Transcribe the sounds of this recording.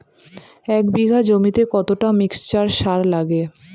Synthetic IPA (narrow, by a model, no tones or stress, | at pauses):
ɛkbiɡʱad͡ʑomit̪ekɔt̪oʈamikst͡ɕaɾʃaɾlaɡe